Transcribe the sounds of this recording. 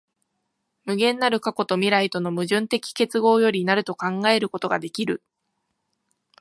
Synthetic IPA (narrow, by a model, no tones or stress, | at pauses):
mɯ̟ɡẽ̞nːaɾɯ̟kako̞t̪o̞mʲiɾait̪o̞no̞mɯ̟ʑɨ̃nt̪e̞kʲi̥ke̞t͡sɨɡo̞ːjo̞ɾʲinaɾɯ̟t̪o̞kãŋɡae̞ɾɯ̟ko̞t̪o̞ɡa̰d̪e̞kʲiɾɯ̟